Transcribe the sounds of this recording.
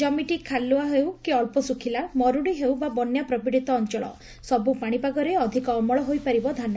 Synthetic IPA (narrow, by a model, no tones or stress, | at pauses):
d͡ʒɔmiʈikʰalːuaɦewkiɔɭpɔsukʰilamɔɾuɽiɦewbabɔnjapɾɔbiɽit̪ɔːnt͡ʃɔɭɔ̰ | sɔbupaɽ̃ipaɡɔɾeɔd̪ʱikɔːmɔɭɔɦojpaɾibɔd̪ʱanɔ